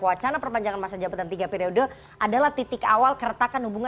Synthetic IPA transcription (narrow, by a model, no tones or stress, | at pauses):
uat͡ʃanapərpaɲd͡ʒaŋanmasad͡ʒabat̪ant̪iɡapiɾiodo | ʔadalaht̪it̪ɪkawalkəɾət̪akanhubuŋa